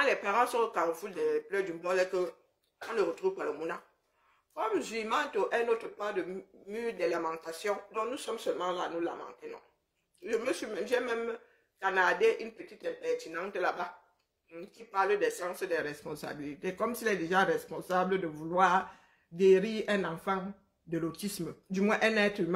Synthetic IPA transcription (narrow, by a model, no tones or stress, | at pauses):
ãlɛpaʁãsɔ̃okaʁfuldɛplœdymbɔlɛkə | ɔ̃nəʁət̪ʁuvpaləmuna | kɔmzimɑ̃t̪oʔɛ̃not̪əpad̪əmydeləmɑ̃t̪asjɔ̃dɔ̃knusɔmsœlmɑ̃lanula̰mɑ̰̃tenɔ̰̃ | ʒəməsɥimɛ̃mʒɛmɛm | kanadeʔynpət̪it̪ɛ̃pɛʁt̪inãtəlaba | kipaʁlədɛsãsədɛʁɛspɔ̃sa̰bilit̪ekɔmsilɛd̪eʒaʁɛspɔ̃sablədəvulwaːʁ | ɡeɾiːʁɛ̃nãfɑ̃ | d̪əlot̪isməd̪ymwɛ̃ʔɛnɛtim̃